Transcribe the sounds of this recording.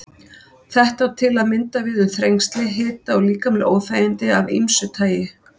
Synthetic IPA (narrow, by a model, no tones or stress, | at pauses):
θɛht̪awt̪ʰɪlaðmɪnt̪avɪðʏmθɾejŋst̪lɪɦɪːt̪aɔɣliːkamɛlʔoːwfaːjɪnt̪ɪavinsʏt̪ʰaːjɪ